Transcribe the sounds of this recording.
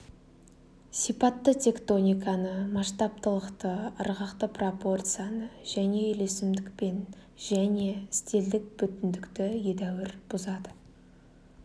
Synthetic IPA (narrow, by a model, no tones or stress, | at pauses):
sijpɑt̪ːət̪ʲe̞kt̪o̞nʲijkanəmɑʃt̪ɑp̚t̪əlˠəqt̪əːɾʁɑqt̪əpro̞po̞rt̪sɨjanəʒ̥æne̞ʏle̞sɪmd̪ɪk̚pe̞n | ʒæne̞ɪst̪e̞ld̪ɪk̚bʏt̪ɪnd̪ɪkt̪ɪje̞d̪æwɪɾb̥ʊzɑd̪ə